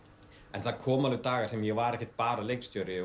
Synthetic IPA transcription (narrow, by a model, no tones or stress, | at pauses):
ɛnθaðkʰɔːmalʏt̪aːɣḁsɛmjɛɣvaɾɛhcɪ̥t̪̚paːɾaleːjkst̪jœːɾɪ